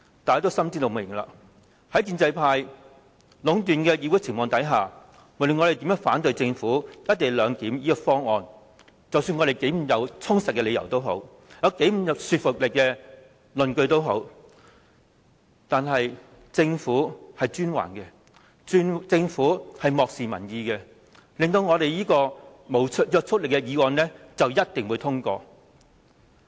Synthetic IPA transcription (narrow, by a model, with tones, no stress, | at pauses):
t̪aː˨ja˥t̪o˨˥wsɐ˥mt͡si˥t̪o˨˧˩mɪ̰˨˩ŋla̰ː˧ | hɐ˨˥jkiː˧nt͡sɐ˧jpʰaː˧j | lʊ˨˥ŋt̪̬yː˨˩nkɛ˧jiː˨˧wu˨˥t͡sʰɪ˨˩ŋmɔː˨ŋt̪ɐ˨˥jɦaː˨˩ | mʊ˨˩lɵ˨ŋɔ˨˧ɾe˨˩t̪iː˨˥mɛː˧˥ŋfaː˨˥nt̪̬ɵ˧ɥt͡sɪ˧ŋfuː˨˥jɐ˥t̚t̪e˨˩jlœː˨˧ŋk̪iː˨˥mjiː˥kɔ˧fɔː˥ŋɔː˨˧n | t͡sɐ˨wsyː˧nŋɔː˨˧ɾe˨˩jke˨˥jm̩˨˩mjɐ˨˧wt͡sʰʊ˥ŋsɐ˨t̚kːɛː˧le˨˧jɐ˨˩wt̪o˥wɦo̰˨˥w | jɐ˨˧wke˨˥jm̩˨˩jɐ˨˧wsyː˧t̚fʊ˨k̚lɪ˨kːɛː˧ | lɵ˨nkɵ˧ɥt̪o˥wɦo˨˥w | t̪aː˨nɦɐ˨j | t͡sɪ˧ŋfuː˨˥hɐ˨jt͡ʃyː˥nwa̰ː˨˩nkɛ˧˥ | t͡sɪ˧ŋfuː˨˥hɐ˨jmɔː˨k̚siː˨mɐ̰˨˩njiː˨˧kɛ˧ | lɪ˨ŋt̪o˧wŋɔː˨˧ɾe˨jiː˥kɔː˧ | mo˨˩wt͡s̚ʰjœː˧k̚t͡sʰʊ˥t̚lɪ˨kːɛ˧jiː˨˧wɔː˧nlɛ˥ | t͡sɐ˨wjɐ˥t̚t̪ɪ˨ŋwu˨˧t̪ʰʊ˥ŋkɔː˧